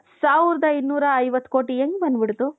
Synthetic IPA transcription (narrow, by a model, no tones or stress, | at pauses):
saːʋɾd̪ɐinːuːɾɐːjʋɐt̪ːko̞ːʈieŋɡbɐnd̪biɽt̪u